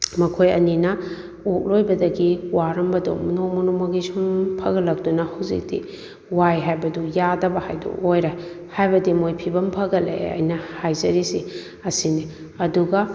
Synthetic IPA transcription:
mɐkʰojɐninɐ | ok̚lojbɐdɐɡiwaɾɐmbɐdo̰mnomɔnomɐɡisumpʰɐɡɐlɐk̚dunɐhɐwzḭk̚dḭ | wajɦajbɐdujadɐbɐha̰jdṵʔojɾa | hajbɐdimojpʰibɐmpʰɐɡɐlḛɐ̰jnɐhajzɐɾisi | ɐsini | ɐduɡɐ

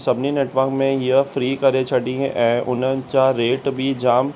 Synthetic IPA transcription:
sɐbnineːʈʋəɾkmẽjɐfɾiːkɐɾet͡ʃʰɐʈĩɦẽʔɛ̃ʔʊnə̃t͡ʃaɾeːʈbʱid͡ʒaːm

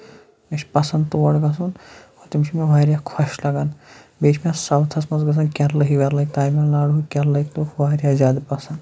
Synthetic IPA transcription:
ɐʃʲpɐsɐnd̪t̪uʋɐɽɡɐsunot̪imiʃʰimeʋaːɾjaːkʰɐʃlɐɡanbeːt͡ʃʰmʲasɐwt̪ʰɐsmɐnzɡɐs̬ɐnkʲɐɾlɐɦikʋɐɾlɐik̚t̪aːjmɐlnaːɽɦukʲɐɾlɐikt̪oʋaːɾjaːzʲaːd̪pɐsɐnd̪

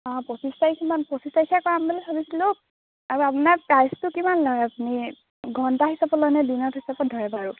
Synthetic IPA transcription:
ɔ̃pɔsistajkʰimanpɔsistajkʰakɔɹambolɛsʰabisilʊ | aɹuapʊnaɹpajstʊkimanlɔjapuni | ɡɔntaɦisapɔlɔjnɛdinɔthisapɔdʱɔjɛbaɹu

